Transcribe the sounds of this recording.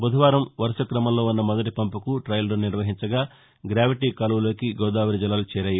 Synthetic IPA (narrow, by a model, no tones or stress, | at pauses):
bud̪ʱɐʋaːɾɐmʋɐɾʃɐkɾɐmɐmlo̞ːunːɐmɐd̪ɐʈ̬ipɐmpukuʈɾɐjlɾɐniɾʋɐɦiɲt͡ʃɐɡaː | ɡɾaːʋiʈiːkɐlɐʋulo̞ːkiɡɔːd̪aːʋɐɾid͡ʒilːaːlut͡ʃɛːɾɐːji